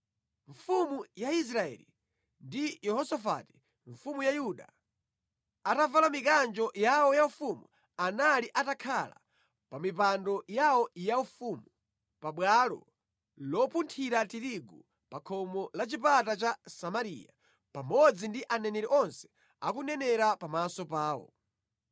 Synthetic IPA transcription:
ɱfumujais̬ɾaɛ̰lḭ | ndijɛhɔsafa̰ti̥ | ɱfumujajuɗa̰ | atavalamikand͡ʒɔjawɔjaufumu | analiʔatakʰala̰ | pamipandɔjawɔjaufumu | paɓwalɔ̰ | lɔpuntʰiɾatiɾiɡu | pakʰɔmɔlat͡ʃipatat͡ʃasamaɾḭja̰ | pamɔd͡zindiʔanɛnɛɾɛʔɔnsɛ̥ | a̰kunɛnɛɾapamasɔpaːwɔ̰

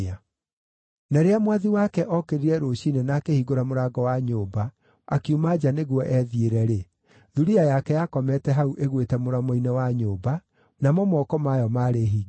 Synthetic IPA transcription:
a | naɾeamwaðiwakɛʔɔkeɾiɾɛɾoɕinenaːkehiɡoɾamoɾaɡɔwaɲoːba | akiumad͡ʒaneɣwɔʔɛðieɾɛɾe | ðuɾiajakɛjakɔmɛtɛɦauʔeɣwetɛmoɾamoinɛwaɲoːba | namɔmɔkɔmajɔmaːɾeɦiː

